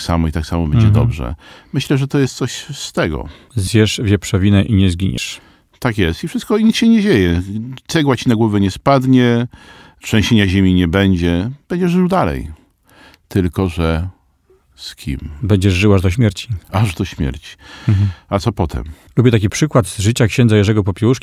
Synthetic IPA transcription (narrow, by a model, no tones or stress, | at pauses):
sa̰mɔit̪aksamɔbɛɲd͡ʑɛd̪ɔ̰bʐɛ̰mɘɕlɛʐɛt̪ɔjɛst̪sɔɕst̪ɛɡɔ̰ | zʲjɛʂvʲjɛpʂɛvʲinɛʔiɲɛzɡʲiɲɛ̰ʂ | t̪akjɛst̪ifʂɨst̪kɔɲikɕɛɲɛd͡ʑejɛt̪sɛɡwat͡ɕinaɡwɔvɛɲɛspad̪ɲɛ | pʂɛɲɕeɲaʑemʲiɲɛbɛɲd͡ʑɛb̥ɛɲd͡ʑɛʐʐɨwd̪alɛ̰j | t̪ɘlkɔʐɛ | skʲʰḭmbɛɲd͡ʑɛʐʐɘwaʐd̪ɔɕmʲjɛɾt͡ɕiaʐd̪ɔɕmʲjɛ̰ɾt͡ɕi̥ | at̪sɔpɔt̪ʰɛ̰m | lubʲjɛt̪akʲipʂɘkwad̪zʐɘt͡ɕakɕɛ̃nd̪zajɛʐɛɡɔp̬ɔpʲjɛwuʂkʲi